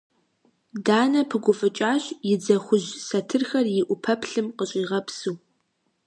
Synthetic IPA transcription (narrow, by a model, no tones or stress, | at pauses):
daːnɐpʰɨɡʷʊfʼɨt͡ʃʼaːɕjɪd͡zɐxʷʊʑsɐtʰɨrxɐrjɪʔʷʊpʰɐpʰɬɨmqəɕʼiːʁɐpsuː